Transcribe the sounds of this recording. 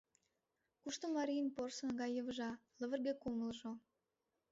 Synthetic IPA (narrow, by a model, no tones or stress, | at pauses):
kuʃt̪omɑɾʲijənporsə̆nɣɑjːəβə̆ʒɑləβə̆rɣekoməlʒo